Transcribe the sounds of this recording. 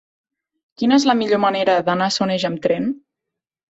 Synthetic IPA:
kinəezləmiʎoməneɾəðənasoneʒəmt̪ɾɛn

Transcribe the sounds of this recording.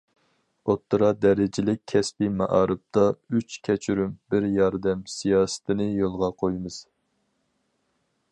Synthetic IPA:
ot̪ʰːɨɾɑd̪ɛɾɪd͡ʒɪlɪk̚ʲʰːɛspimɑʔɑːɾɨp̚t̪ʰɑyt͡ʃkʲʰɛt͡ʃʰyɾymbɪɾjɑɾd̪ɛmsijɑːsɨ̥t̪ʰɨnɨjolˠʁɑqʰojmɨz̥

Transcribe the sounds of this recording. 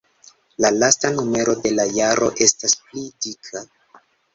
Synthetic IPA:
lalastanume̞ɾo̞de̞lajaɾʔo̞̰ʔe̞stasplidikʰa

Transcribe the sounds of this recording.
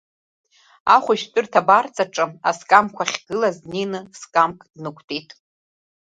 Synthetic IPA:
aχʷʊʃt͡pʼʊrtʰabart͡sʼaʈ͡ʂʼɨaskʼamkʷʰaχʲɡ̥ɨlazninɨskʼamkʼd̥nɨkʷʰtʰʼitʼ

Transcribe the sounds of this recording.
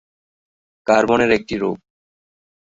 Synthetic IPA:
kaɾbɔneɾek̚ʈiɾo̰ɡ̚

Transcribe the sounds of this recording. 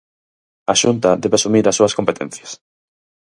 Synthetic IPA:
aʃunt̪ɐd̪eβasumiɾɐsːuɐskompet̪ḛ̃nθjɐs

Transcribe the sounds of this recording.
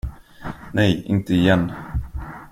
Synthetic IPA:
nɛjɪ̰nt̪əɪjɛnː

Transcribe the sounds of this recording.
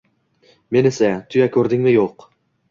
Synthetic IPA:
me̞nesat̪ʰʊjakʲʰɵɾd̪ɪŋmɪjoq

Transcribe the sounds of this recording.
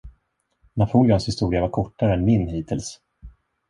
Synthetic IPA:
napʰuːlɪɔnshɪst̪uːɾɪavaɾkʰɔʈːaɾəɛnmɪnhiːt̪ʰɪls

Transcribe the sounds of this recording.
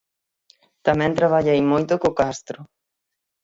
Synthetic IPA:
t̪amɛ̃nt̪ɾaβaʎejmojt̪ʊkokast̪ɾʊ

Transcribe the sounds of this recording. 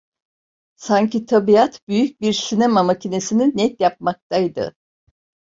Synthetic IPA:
saɲcit̪ʰabiat̪byjyc̚biɾsinɛmamacʰine̞sininɛt̪japmak̚t̪ʰajd̪ɯ̰

